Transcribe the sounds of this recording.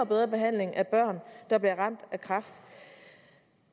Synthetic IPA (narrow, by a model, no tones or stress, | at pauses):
b̥eðˠʁɐb̥e̝ɦæn̰le̝ŋʔæb̥ɶɐ̰nd̥ɑ̈b̥liɐʁɑ̈m̰d̥ækʰʁɑ̈fd̥